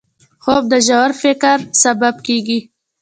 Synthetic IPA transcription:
xob̚d̪əʒawaɾfɪkɾsabab̚keɡi

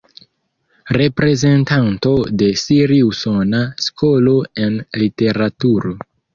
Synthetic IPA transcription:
ɾe̞pɾe̞ze̞ntanto̞de̞siɾiusonasko̞lo̞e̞nlite̞ɾatuɾo̞

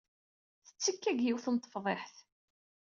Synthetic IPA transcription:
θə̥t͡sːəkːæɡjiwθənt̪ˤːə̥fðˤeħθ

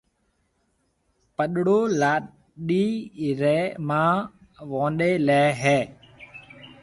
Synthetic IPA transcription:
pəɗɽoːlaː | ɗiːɾɛːmãː | ʋõːnɗeːlɛːɦɛː

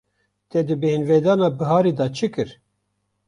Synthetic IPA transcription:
t̪ɛd̪ɨbeɦinved̪ɑːnɑːbɨɦɑːɾid̪ɑt͡ʃʰɨkɨɾ

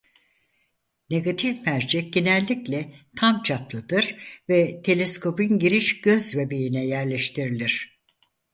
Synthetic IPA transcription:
ne̞ɡat̪ʰifmæɾd͡ʒɛɟenɛlʲːiclʲɛt̪ʰamt͡ʃʰaplˠɯd̪ɯɾ̥vɛt̪ʰe̞lʲeskʰo̞pinɟiɾiʃɟ̥ø̞zvebejinɛjæɾlʲɛʃt̪ʰiɾilʲiɾ̝̥

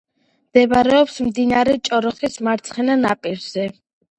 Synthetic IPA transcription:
md̪̥ɛbaɾɛɔpsmd̪inaɾɛt͡ʃʼɔɾɔχismaɾt̪sʰχɛnanapʼiɾz̥ɛ

